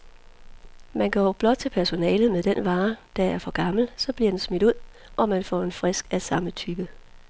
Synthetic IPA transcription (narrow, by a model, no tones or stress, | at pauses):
mænɡ̥ɒ̰ːb̥lɒ̽d̥̚t͡sʰe̝lpʰæɐso̝nɛːlð̩ˠmeðˠd̥enʋɑ̈ːd̥ææɐfɒ̽ɡ̥ɑ̈ml̩sɒ̽b̥liɐd̥ensmid̥uð̰ˠ | ʔɒ̽mænfɒ̰ːe̝nfʁɛsɡ̥æsɑ̈mət͡sʰyb̥ə